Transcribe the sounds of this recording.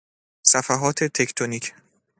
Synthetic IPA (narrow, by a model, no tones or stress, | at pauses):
sæfæɦɒːt̪ʰet̪ʰe̞cʰt̪ʰonicʰ